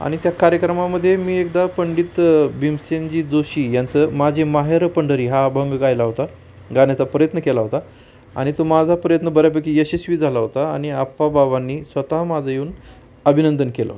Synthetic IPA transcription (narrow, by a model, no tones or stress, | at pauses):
a̰ɽ̃it̪jakaɾjəkɾəmaməd̪ʱːjemiːekd̪apəɳɖit̪bimsend͡ʑiːd͡zoɕiːjant͡səmad͡ʑʱemaɦeɾpəɳɖəɾiːɦabʱəŋɡɡajlaɦot̪a | ɡaɳjat͡sapɾəjət̪nəkelaɦot̪a | a̰ɽ̃it̪omad͡zʱapɾəjət̪nəbəɾjapəkijeɕesʋiːd͡zʱalaɦot̪aaɽ̃iapːabaʋanːiːsʋət̪aɦmad͡zʱajuːn | əbʱinənd̪ənkelə̰ɦo